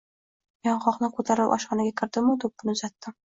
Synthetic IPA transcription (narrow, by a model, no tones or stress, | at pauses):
jɒɴχɒqnɪkʰɵt̪ʰaɾɪpʔɒ̰ʃqɑnaɡʲakʲʰɪɾd̪ɪmʊd̪ʊp̚ːʊnʊzat̪ːɪm